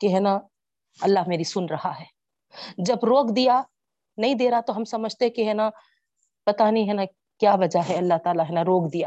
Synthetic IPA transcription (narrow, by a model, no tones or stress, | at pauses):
kiɦɛːna | ɐlːaɦmeːɾisʊnɾɐhaɦɛː | d͡ʒɐbɾoːkd̪ija | nɐɦĩd̪eːɾaat̪oɦɐmsɐməd͡ʒʱt̪eɦɛ̃kiɦɛːna | pɐt̪aniɦɛːna | kjaːʋɐd͡ʒaɦɛɐlːaɦt̪aːlaɦɛːnaɾoːkd̪ijaː